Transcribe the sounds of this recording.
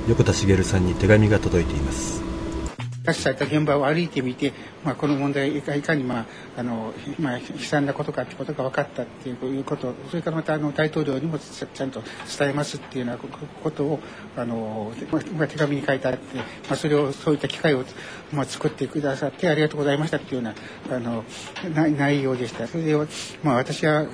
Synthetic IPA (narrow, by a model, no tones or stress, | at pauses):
jo̞kɯ̟t̪aɕiɡe̞ɾɯ̟sãɲ̟ːit̪e̞ɡamʲiɡat̪o̞d̪o̞it̪e̞imasɨ̥ | t̪aɕi̥sait̪aɡẽ̞mbaoaɾɯ̟it̪e̞mʲit̪e̞ | mako̞no̞mond̪aikaikaɲ̟imaː | no̞maçi̥sãnd̪ako̞t̪okat̪ːe̥ko̞t̪o̞ɡaβ̞akat̪ːat̪ːe̞jɯojɯ̟ːko̞t̪o̞so̞ɾe̞kaɾamat̪aːno̞d̪ait̪o̞ːɾʲo̞ːɲ̟imo̞ | t͡ɕãnt̪o̞t͡sɨ̥t̪aemasɨt̪ːeɯjɯnako̞t̪o̞ː | ano̞mamat̪ʰe̞ɡamʲiɲ̟ikait̪eat̪ːe̞ | maːso̞ɾe̞o̞so̞ːit̪ːakʲi̥kaio̞ | mat͡sɨ̥kɯ̟t̪ːe̞kɯ̟d̪asat̪ːe̞aɾʲiɡat̪o̞ːɡo̞zaimaɕi̥t̪at̪ːeɯjoːna | ano̞ | nanaijo̞ːd̪e̞ɕi̥t̪aso̞ɾed̪eamaːβat̪aɕiβa